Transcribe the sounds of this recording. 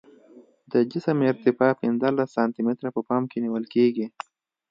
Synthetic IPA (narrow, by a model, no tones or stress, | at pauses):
d̪əd͡ʒɪsəmɪɾt̪ɪfaːpɪnzalasːaːnt̪imɪt̪ɾapəpaːmkeniwəlkeːɡi